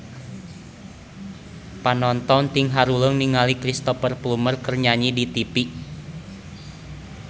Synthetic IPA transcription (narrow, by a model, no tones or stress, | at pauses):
panɔnt̪ɔnt̪iŋɦaɾuləŋniŋalikɾist̪ɔfərplumərkərɲaɲidit̪ipiʔ